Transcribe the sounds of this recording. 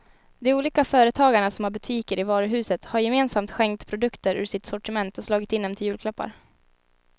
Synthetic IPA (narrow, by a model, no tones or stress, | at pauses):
d̪ɛuːliːkafœːɾət̪ʰɑːɡaɳasɔmhaɾbɵt̪ʰiːkəɾɪvɑːɾəɦʉ̟ːsət̪haɾjɛmeːnsamt̪ɧɛŋkt̪pʰɾʊd̪ɵkt̪əɾʔʉ̰ːʂɪt̪sɔʈɪmɛnt̪ɔslɑːɡɪt̪ɪnːɛmt̪ɪljʉ̟ːlkʰlœpːa̰ɾ